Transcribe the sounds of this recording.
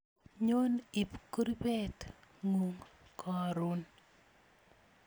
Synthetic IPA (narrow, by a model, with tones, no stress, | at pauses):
ɲo˦ni˨pku˦ɾi˦bɛ˦tŋu˨ŋkʰɔ˨ɾu˦n